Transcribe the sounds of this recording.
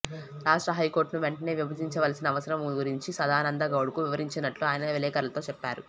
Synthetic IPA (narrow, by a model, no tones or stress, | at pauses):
ɾaːʂʈɾɐɦɐjko̞ːɾʈnuʋeɳʈɐne̞ːʋibʱɐd̪iɲt͡ʃɐʋɐlɐsinɐːʋɐsɐɾɐmɡuɾiɲt͡ʃisɐd̪aːnɐnd̪ɐɡɐwɽukuʋiʋɐɾiɲt͡ʃinɐʈluaːjɐnɐʋelɛːkɐɾɐlɐt̪o̞ːt͡ʃɛpːaːɾu